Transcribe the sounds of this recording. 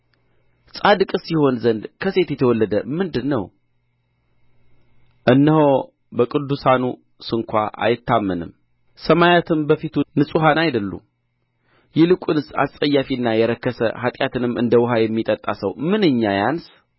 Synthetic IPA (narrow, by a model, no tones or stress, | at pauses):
sʼad̪ɨkʼsiho̞nzənd̪kʰəse̞t̪jɛt̪ʰəwɔlːəd̪əmɨnd̪ɨnːə̰w | ʔɨnːəho | bəkʼɨd̪ːusanu | sɨŋkʷʰa̰ʔa̰jɪt̪ːamːənɨ̰m | səmajat̪ʰɨmbəfit̪ʰunɨsʼuɦanajd̪əlːṵ | jɛlɨkʷʼunɨsa̰sʼəjːafiɨnːajɛɾəkːəsə̰ɦat̪ʼjat̪ɨnɨmːɨ̰nd̪əwɦajɛmːit̪ʼət̪ʼːasəwmɨnɨɲːajans